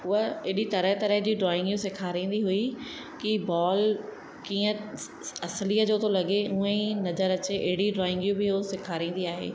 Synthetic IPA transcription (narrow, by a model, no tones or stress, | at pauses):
ʊɦəeɗit̪ɐɾəɦt̪ɐɾəɦd͡ʑiːɖɾɔːɪ̃ŋɡjũsɪkʰaːɾĩːn̆d̪iɦui | kibɔːl | kiːə̃ | ɐsliːəd͡ʑoːt̪ʰolɐɠeũːə̃ĩnɐzəɾɐt͡ɕeʔeɦɪɽiɖɾɔːɪ̃ŋɡijũbɪɦosɪkʰaːɾĩːn̆d̪iaːɦḛː